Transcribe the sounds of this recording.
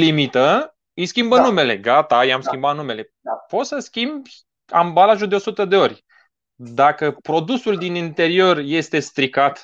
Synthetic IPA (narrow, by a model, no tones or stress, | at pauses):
limit̪ə | ɨjskʲimbənume̞le̞ɡat̪ajamskʲimbat̪nume̞le̞ | po̞t̪səskʲimbʲ | a̰mbalaʒuld̪eo̞sut̪əd̪e̞o̞rʲ | d̪akəpɾo̞d̪usuld̪inint̪e̞ɾio̞rje̞st̪e̞st̪ɾikat̪